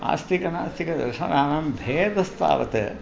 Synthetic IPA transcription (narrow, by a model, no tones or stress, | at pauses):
a̰ːst̪ikɐnaːst̪ʰikɐd̪ɐ̰ɾʂɐ̰naːnɐmbʱeːd̪ɐst̪a̰ːʋɐ̰t̪ɨ